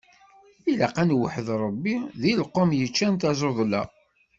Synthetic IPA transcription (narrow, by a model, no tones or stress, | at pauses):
ilaqænwəħəðɾˤəbːiðilqːomjət͡ʃːænt̪æzˤoðˤlæ̰